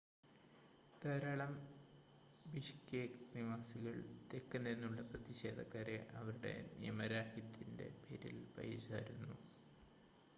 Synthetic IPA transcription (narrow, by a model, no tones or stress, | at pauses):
t̪ɐːɾaːɭɐm | biɕkeːkniʋaːsiɣɐɭt̪ekːɐnenːuɭːɐprɐðiɕe̞ːd̪ʱɐkːaːɾe̞ʔɐʋɐɾuɽe̞̰nijɐmɐɾaːhit̪ːinde̞̰pʰeɾḭlpɐ̰jisaːɾunːu